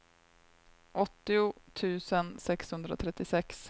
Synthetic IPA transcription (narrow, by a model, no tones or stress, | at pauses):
ʔɔt̪ːɪʊt̪ʰʉ̟ːsənsɛkshɵnd̪ɾao̰t̪ʰɾɛt̪ːɪsɛks